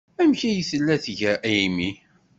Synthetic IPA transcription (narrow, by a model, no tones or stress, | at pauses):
æmçæjəsəlːæθʝəɾʔæimi